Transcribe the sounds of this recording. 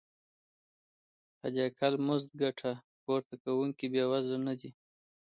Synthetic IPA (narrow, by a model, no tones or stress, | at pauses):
ha̰d͡ʒakalmʊzd̪̚ɡaʈʰa | poɾt̪akawuŋkibjɑwazanad̪i